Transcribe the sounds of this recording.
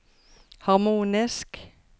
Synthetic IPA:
hɑʁmuːnɪsk

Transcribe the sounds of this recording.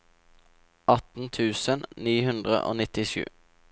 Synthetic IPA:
ʔɑt̪n̩t̪ʰʉːsənniːhʉnd̪ʁə̰ʔo̰ːnɪt̪ɪʃʉ̰ː

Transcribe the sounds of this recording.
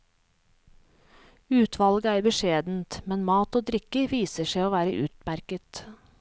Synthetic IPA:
ʉːt̪ʰʋɑlɡəæːɾbəʃeːd̪n̩t̪mɛnmɑːt̪oːd̪ɾɪkəʋiːsəʃeɪoːʋæːɾə̰ʔʉ̰ːt̪mæɾkət̪

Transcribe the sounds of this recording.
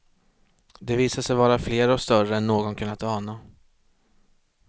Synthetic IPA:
d̪ɛviːsaʂɛjvɑːɾafleːɾɔst̪œrəɛnːoːɡɔnkʰɵnːat̪ɑːna

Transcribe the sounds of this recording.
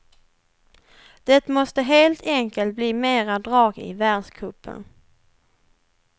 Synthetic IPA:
d̪̥ɛt̪mɔst̪əɦeːlt̪ʰɛŋkəlt̪̚bliːmeːɾad̪ɾɑːɡɪ̰væːɖʂkʰɵpʰːə̰n

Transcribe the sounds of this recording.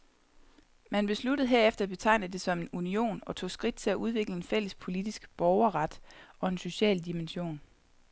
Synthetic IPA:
mænb̥e̝slud̥əð̞̩ˠɦe̝ɐ̰efd̥ɐæb̥e̝t͡sʰɑ̈ɪnəðd̥e̝sɒ̽me̝nunio̝̰ːnɒ̽t͡sʰo̝̰ːsɡ̥ʁid̥̚t͡sʰe̝læʔuð̞ˠʋe̝ɡ̥ləe̝nfel̰əspʰo̝lid̥isɡ̥b̥ɒʊɐʁɑ̈d̥ʔɒ̽e̝nso̝ɕɛ̰ːld̥imenɕo̝̰ːn

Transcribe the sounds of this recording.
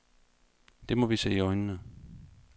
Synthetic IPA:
d̥e̝mɒ̽ʋise̝̰ːiɒɪnənə

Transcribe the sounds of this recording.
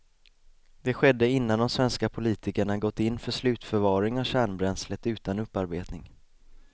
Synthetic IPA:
d̪ɛɧɛd̪ːəɪnːand̪ɔmsvɛnskapʰʊliːt̪ɪkəɳaɡɔt̪ːɪnːfœʂlʉ̟ːt̪fœɾvɑːɾɪŋavɕæːɳbɾɛnslət̪ʉ̟ːt̪anɵpːaɾbeːt̪nɪŋ

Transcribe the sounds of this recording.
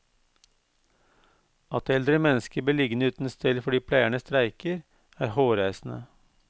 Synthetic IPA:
ɑt̪ɛld̪ɾəmɛnəskəbəlɪɡnəʉːt̪n̩st̪ɛlfɔɖiːpʰlæɪæɳəst̪ɾæɪkəɾ | æːɾhoːɾæɪsn̩ə̰

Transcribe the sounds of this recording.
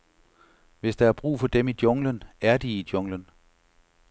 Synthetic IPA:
ʋe̝sd̥ɑ̈æɐb̥ʁṵːfɒ̽d̥emid̥jɔ̽ŋlənæɐd̥iːd̥jɔ̽ŋlən

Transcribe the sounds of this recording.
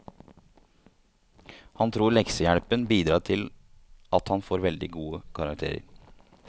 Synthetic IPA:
hɑnt̪ʰɾuːɾɭɛksəjæɽpənbiːd̪ɾɑːʈ̪ʰɪl | ʔɑt̪hɑnfoːɾʋɛld̪ɪɡuːəkʰɑɾɑk̚t̪ʰḛːɾə̰ɾ

